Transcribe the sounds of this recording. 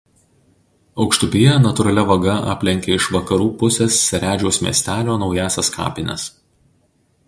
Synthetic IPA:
ɒʊkʃt̪ʊpʲijɛnɐt̪ʊɾɐlʲɛʋɐɡɐʔɑ̰ːpʲlʲɛŋʲkʲeɪʃʋɐkɐɾuːpʊsʲeːsːʲɛɾʲæːd͡ʒʲoʊsmʲḭːsʲt̪ʲæːlʲoːnɒʊjæːsʲɛskʰɑ̰ːpʲɪnʲɛ̰s

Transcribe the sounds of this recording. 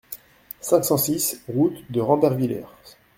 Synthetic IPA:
sɛ̃ksɑ̃sisʁut̪d̪əʁɑ̃bɛʁvilɛ̰ʁ

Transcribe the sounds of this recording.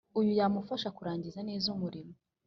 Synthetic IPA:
ujujaːmufaʃakuɾaːɲɟizane̞ːzumuɾimo

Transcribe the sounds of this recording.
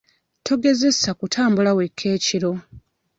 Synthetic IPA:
tʰo̞ɡe̞ze̞sakutʰaːmbulawe̞kʰːe̞ːciɾo̞

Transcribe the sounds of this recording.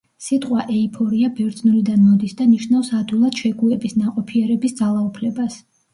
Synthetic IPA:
sit̪ʼqʼwaʔɛipʰɔɾiabɛɾd̪znulid̪anmɔd̪isd̪aniʃnafsad̪ulˠad̪̥ʃɛɡuɛbisnaqʼɔpʰiɛɾɛbisd̪zalˠaupʰlɛbas

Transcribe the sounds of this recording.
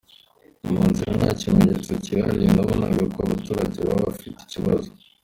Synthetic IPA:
umuːnziɾanacimeɲet͡seciɾaɾinaβonaɡkoaβatuːɾaɟeβa̰βafiti̥ciβazo

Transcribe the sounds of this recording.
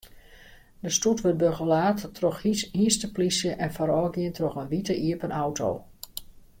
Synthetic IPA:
dəstutʋøt̚bøɣəlaːtːrɔxihiəstəplisjəʔɛnfaɾɔːɡjiəntrɔxənʋitəʔiəpənʔawtʰo̰w

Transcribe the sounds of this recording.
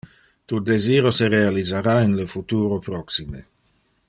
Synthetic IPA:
t̪ud̪eziːɾoseɾealizaɾainləfut̪uːɾopɾɔksime

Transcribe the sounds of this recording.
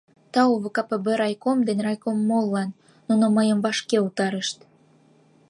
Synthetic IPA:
t̪ɑuβə̆kɑpebeɾɑjkomd̪enrɑjkomːolːɑnː | unoməjəmvɑʃkeut̪ɑɾəʃt̪

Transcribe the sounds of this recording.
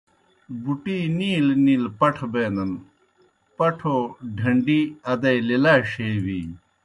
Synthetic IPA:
buʈiːniːlniːlpɐʈʰbeːnd̪ɐn | pɐʈʰoɖʱɐɳɖiɐd̪ɐjlilaːɕeːwiː

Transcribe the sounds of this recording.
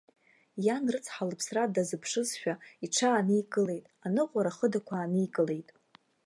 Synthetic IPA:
janrɨt͡sʰħalɨpʰsradazɨpʰʂɨzʃᶣaiʈ͡ʂʰaːniikʼɨle̞jtʼanɨqʷʼaɾaχədakʷʰaːnɨikʼɨle̞jtʼ

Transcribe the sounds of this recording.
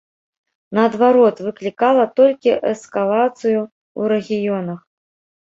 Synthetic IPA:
nɐːd̪vaɾɔt̪vɨklʲikalˠɐt̪ɔlʲkʲiʔɛskalˠat̪sɨju | uɾɛɣʲijɔnɐx

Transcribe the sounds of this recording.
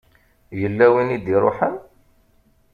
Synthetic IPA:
jəlːæwinid̪iɾˤo̰ħən

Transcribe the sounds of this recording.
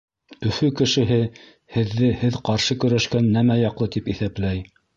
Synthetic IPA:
ɵ̆fɵkɘ̆ʃɘ̆ɦɘ | hɘ̆ðːɘhɘðqɑɾʃɤkɵ̆ɾæʃkænːæmæjɑqlˠɤt̪ipiθæplæj

